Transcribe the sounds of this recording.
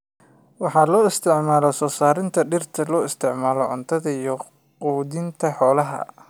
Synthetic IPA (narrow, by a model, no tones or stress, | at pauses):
wɑħɑːlɔːɪst̪ʰɪʕmaːlɔsɔːsaːɾɪnt̪ʰɐɖɪrt̪ʰɐlɔːɪst̪ʰɪʕmaːlɔʕʊnt̪ʰɐðɐijɔ | quːdɪnt̪ʰɐħɔːlɐɦɐ̰